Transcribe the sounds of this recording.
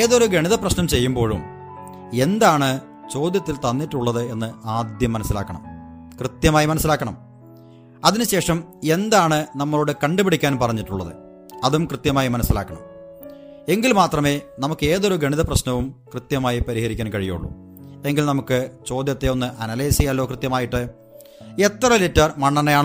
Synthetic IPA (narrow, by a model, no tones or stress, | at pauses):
eːðo̞ɾuɡeɳiðɐprɐɕnɐmt͡ɕe̞jːumbo̞ːɻṵm | e̞nd̪aːɳɨ | t͡ɕo̞ːd̪jɐt̪ːilt̪ɐnːiʈːuɭːɐðɨe̞nːɨaːd̪jɐmːɐnɐsːila̰ːkːɐɳɐ̰m | krɨt̪jɐmaːjimɐnɐsːilaːkːɐɳɐm | ɐðinɨɕe̞ːʂɐme̞nd̪aːɳɨnɐmːɐɭo̞ːɽɨkɐɳɖɨbiɽikʲːaːnpɐrɐɲːiʈːuɭːɐðɨ̰ | ɐðumkrɨt̪jɐmaːjimɐnɐsːilaːkːɐɳɐ̰m | e̞ŋɡilmaːt̪rɐme̞ːnɐmukːɨe̞ːðo̞ɾuɡɐɳiðɐprɐɕnɐʋumkrɨt̪jɐmaːjipɐɾihɐɾikʲːaːnkɐɻijṵɭːṵ | e̞ŋɡilnɐmukːɨt͡ɕo̞ːd̪jɐt̪ːe̞o̞nːɨʔɐnɐleːsɐjaːlːo̞ːkrɨt̪jɐmaːjiʈːɨ | e̞t̪ːrɐlitːɐrmɐɳːɐnɐjaːɳɨ